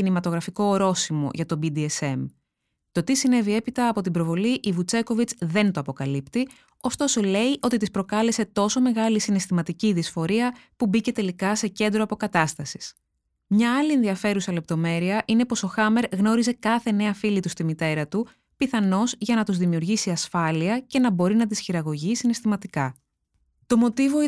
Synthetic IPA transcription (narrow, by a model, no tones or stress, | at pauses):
inimɐt̪o̞ɣɾɐfiko̞ɾo̞simo̞̰ʝɐt̪o̞bid̪iese̞m | t̪o̞t̪isine̞vie̞pit̪ɐːpo̞t̪ibɾo̞vo̞liʔivut͡se̞ko̞vit͡sðe̞nt̪o̞ɐpo̞kɐlipt̪i | o̞st̪o̞so̞le̞iʔo̞t̪it̪ispɾo̞kɐle̞se̞t̪o̞so̞me̞ɣɐlisine̞st̪imɐt̪iciðisfo̞ɾiɐpubice̞t̪e̞likɐse̞ce̞nd̪ɾo̞ɐpo̞kɐt̪ɐst̪ɐsi̥s | mɲɐɐlie̞nðiɐfe̞ɾusɐle̞p̚t̪o̞me̞ɾiɐʔine̞po̞so̞xɐme̞ɾɣno̞ɾize̞kɐθe̞ne̞ɐfilit̪ust̪imit̪e̞ɾɐt̪u | piθɐno̞zʝɐnɐt̪uzðimiuɾʝisiɐsfɐliɐce̞nɐbo̞ɾinɐt̪̬isçiɾɐɣo̞ʝisine̞st̪imɐt̪ikɐ | t̪o̞mo̞t̪ivo̞